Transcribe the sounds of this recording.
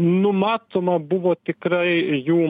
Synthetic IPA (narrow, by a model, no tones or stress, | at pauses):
nʊmɑːt̪oːmɐbʊʋoːt̪ʲɪkɾɐɪjuː